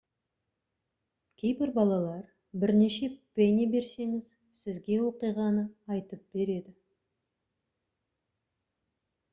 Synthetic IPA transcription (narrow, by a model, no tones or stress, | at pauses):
kʲʰe̞jbɪɾbɑlˠɑlˠɑɾ | bɪɾne̞ʃe̞penʲibe̞ɾse̞ŋɪz̥ | sɪzɡʲe̞wo̞qijʁɑnəɑjt̪əp̚b̥e̞ɾe̞d̪ɪ